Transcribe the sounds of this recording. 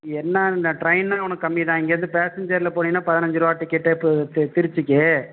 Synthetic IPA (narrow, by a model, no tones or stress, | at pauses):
ɛnːɐʈɾɐɪnːãːɐʋɐnɐkːɯɐmːɪðãːɛŋɡɐɾɐnd̪ɯpeːsɪɲd͡ʒɐɾlɐpoːnɪŋnːaːpɐðɪnɐɲd͡ʒɯɾɯʋaːʈːɪkːɛʈːɐpːot̪ɪɾɪt͡ʃːɯkːe